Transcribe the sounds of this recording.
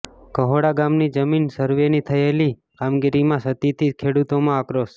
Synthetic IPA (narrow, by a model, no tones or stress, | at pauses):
kəɦoɽaɡamnid͡ʒəminsəɾʋenit̪ʰəeli | kamɡiɾimãsət̪it̪ʰikʰeɽut̪omãəkɾos